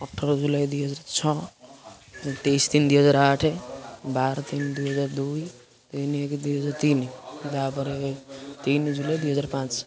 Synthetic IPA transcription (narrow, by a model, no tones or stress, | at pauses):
əʈʰːəɾd͡ʒulajd̪uɦəd͡ʒaɾt͡ʃʰɔ | t̪ejst̪ind̪uɦəd͡zaɾaʈʰebaɾt̪ind̪uɦʌd͡ʒaɾd̪uj | t̪inekd̪uɦəd͡ʒaɾt̪ind̪abəɾet̪ind͡ʒulajd̪uɦəd͡ʒaɾpãt͡ʃ